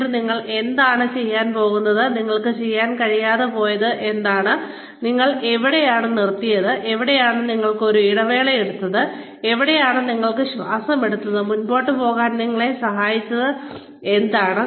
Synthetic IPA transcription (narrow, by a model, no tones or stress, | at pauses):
niŋːɐɭe̞nd̪aːɳɨt͡ɕe̞jːaːnpo̞ːɣunːɐðɨniŋːɐɭkɨt͡ɕe̞jːaːnkɐɻijaːðepo̞ːjɐðɨʔe̞nd̪aːɳɨ | niŋːɐɭeʋiɽejaːɳɨnirt̪ːijɐðɨʔeʋiɽejaːɳɨniŋːɐɭkɨo̞ɾuiɽɐʋe̞ːɭɐjeɽut̪ːɐðɨ | eʋiɽejaːɳɨniŋːɐɭkɨɕʋaːsɐme̞ɽut̪ːɐðɨmunboːʈːɨpo̞ːɣaːnniŋːɐɭe̞sɐɦaːjit͡ɕːɐðɨ | e̞nd̪aːɳɨ